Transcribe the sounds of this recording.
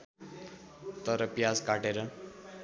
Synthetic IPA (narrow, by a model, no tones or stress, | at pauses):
t̪ʌɾʌpjad͡zkaʈeɾʌ